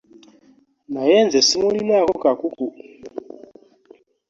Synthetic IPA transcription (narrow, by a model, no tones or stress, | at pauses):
najɛnzɛsimulinakɔkakuku